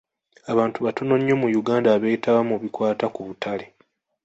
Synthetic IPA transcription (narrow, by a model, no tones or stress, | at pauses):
aβaːntuβato̞no̞ɲːo̞mujuɡaːndaːβe̞ːtʰaβamuβikwaːtakuβutʰale